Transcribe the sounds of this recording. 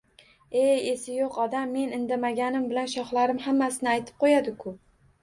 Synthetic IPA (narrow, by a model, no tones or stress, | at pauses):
e̞je̞sɪjoqɒd̪amːe̞nɪnd̪amaɡʲanɪmbɪlanʃɒχlaɾɪmhamːasɪnɪajt̪ʰɪ̥p̚qʰojad̪ɪkʰʊ